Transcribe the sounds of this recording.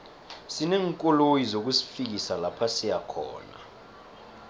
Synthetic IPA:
sinɛːŋkʼɔlojizok̬usi̥fik̬isalapʰasijakʰɔ̰ːna̰

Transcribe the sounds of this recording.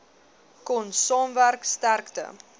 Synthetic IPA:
kɔnsɑːmværkstærktə̰

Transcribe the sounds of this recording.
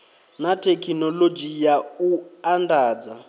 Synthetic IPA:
natʰʼɛkʰinɔlod͡ʒijauandaːd͡za

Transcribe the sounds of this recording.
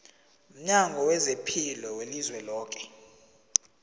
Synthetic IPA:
m̩ɲaŋɡʱɔwɛzepʰilɔwelizwɛlɔːk̬ʼɛ̥

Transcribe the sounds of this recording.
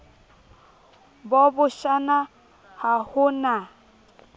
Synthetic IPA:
bɔbʊʃana | hahʊna

